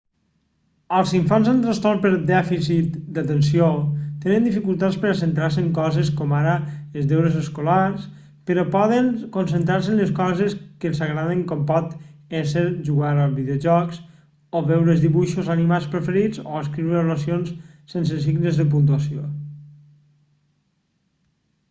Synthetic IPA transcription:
əlˠziɱfanzənˠt̪ɾəst̪ɔɾpəɾd̪ɛfisit̪d̪at̪ənsiot̪enənd̪ifikulˠt̪at͡spəɾasent̪ɾaɾseŋkɔzeskɔmaɾəezðewɾezəskolaɾs | pəɾɔpɔðəŋkonsənt̪ɾaɾsənləskɔzeskənsaɣɾaðeŋkɔmpɔt̪ɛseɾʒuɣaɾalβiðeoʒɔks | oβɛwɾəzðiβuʃozanimat͡spɾefəɾid͡zo̰əskɾiwɾəβolasionssensəs̬iɡnəzðəp̬unt̪uasjo

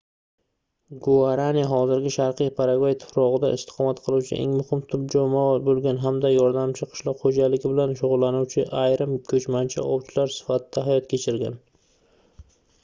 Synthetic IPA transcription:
ɡoaɾaniɦɒzɪɾɡʲɪʃaɾqʰijpʰaɾaɡajt̪ʰɪ̥fɾɒʁɨd̪aʔɪ̰st̪ɪ̥qʰɒmat̪qʰɨlˠuwt͡ʃʰɪ̰ʔḛŋmʊhɪmt̪ʰʊb̚d͡ʒɒmɒbolˠɡʲanɦamd̪ajɒɾd̪amt͡ʃʰɪqʰɨ̥ʃlˠɒqχod͡ʒalɪɡʲɪbɪlanʃʊʁʊlˠːanuwt͡ʃʰɪʔajɾɪmkʲʰɵt͡ʃmant͡ʃʰa̰ʔɒwt͡ʃʰɪlaɾsɪ̥fat̪ʰɪd̪̥aɦajɒt̪kʲʰet͡ʃʰɪɾɡʲa̰n

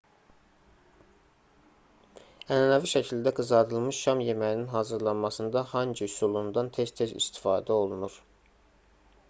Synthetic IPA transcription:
ænænæviʃæcʰild̪æɡɯzɑd̪ɯlˠmɯʃʃɑmje̞mæjininɦɑːzɯɾlˠɑnmɑsɯnd̪ɑhɑnd͡ʒiusulˠund̪ɑnt̪ʰe̞st̪ʰe̞zḭst̪ʰi̥fɑːd̪æo̞lˠunuɾ

